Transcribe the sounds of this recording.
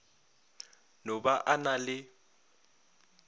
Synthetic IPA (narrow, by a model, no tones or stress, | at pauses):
nɔbaʔanalɪ